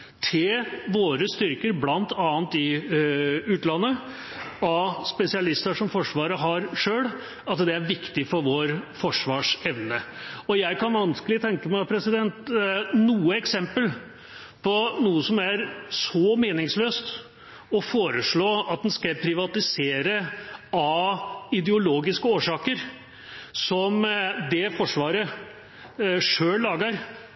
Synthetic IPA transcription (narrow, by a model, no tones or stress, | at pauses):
t̪ʰɪlʋoːɾəst̪ʏɾkəɾblɑnt̪ʰɑːnt̪ɪ | ʉːt̪lɑnːə | ɑspɛsɪɑlɪst̪əʂɔmfɔʂʋɑːɾəɦɑɾʂøːl | ɑt̪d̪ɛæɾʋɪkt̪ɪfɔɾʋoːɾfɔʂʋɑːʂɛʋnəɔjæɪkɑnʋɑnskəlɪt̪ʰɛŋkəmæɪpʰɾɛsɪd̪ɛnt̪nuːəɛksɛmpəl | pʰɔnuːəsɔmæɾsɔmeːnɪŋsløːst̪ | ɔfoːɾəʂɭoːɑt̪̚d̪ɛnskɑpʰɾɪʋɑt̪ɪseːɾəɑɪd̪əʊloːɡɪskəoːʂɑːkəɾ | sɔmd̪ɛfɔʂʋɑːɾə | ʂøːllːɑːɡəɾ